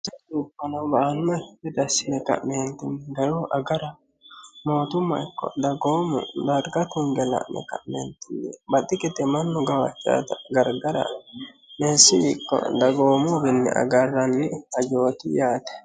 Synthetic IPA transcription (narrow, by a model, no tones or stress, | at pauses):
t͡ʃːɐd̪upːɐnɐbaːnːɐɛd̪ɐsɪnɛkɐ̰ʔmeːnt̪ɪnːɪɡɐɾoːʔɐɡɐɾɐ | mo̞ːt̪ʊmːɐ̰ɪkːɔ̰d̪ɐɡo̞ːmʊ̰d̪ɐɾɡɐt̪ʊŋɡɛlɐ̰ʔnɛ̰kɐʔmḛːnt̪ɪnːɛbɐt̪ːɪkɪt̪ɛmɐnːʊɡɐwɐ̰t͡ʃːa̰ːt̪ɐɡɐɾɡɐɾɐ̰ | mensɪɪkːɔ̰d̪ɐɡo̞ːmʊbɪnːɪ̰ʔɐ̰ɡɐrːɐnːɪɐd͡ʒo̞ːt̪ɪjaːt̪ɛ̥